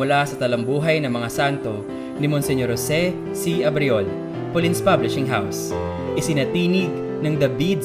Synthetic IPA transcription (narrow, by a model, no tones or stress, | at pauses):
ʊlasɐt̪ɐlɐmbuːɦɐjnɐŋmɐŋasant̪o̞ | nɪmonsɛɲoɾosɛ | siʔɐbɾɪol | polinspablɪʃɪŋɦaws | ʔɪsɪnɐt̪iːnɪɡ̚ | nɐŋd̪ɐbid̪̚